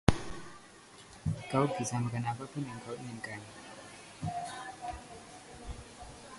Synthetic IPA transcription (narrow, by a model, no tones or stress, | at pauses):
kawɡisamakanapapʊnjaŋkawiŋənkʼan